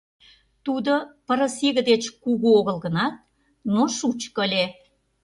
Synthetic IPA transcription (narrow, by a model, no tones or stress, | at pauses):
t̪ud̪opə̆ɾə̆seɣə̆d̪et͡ɕkuɣuoɣə̆lɣə̆nɑt̪̚ | noʃut͡ɕkəlʲe